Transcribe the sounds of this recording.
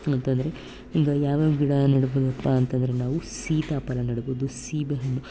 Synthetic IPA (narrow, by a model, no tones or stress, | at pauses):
ɐnt̪ɐnd̪ɐɾe̞ | iːɡɐjaːʋaːɡiɽanɐɽɐboːd̪ɐpːaːnt̪ɐnd̪ɐɾenaːʋusiːt̪aːpɐlɐnɐɽɐboːd̪usiːbɐɦɐnːu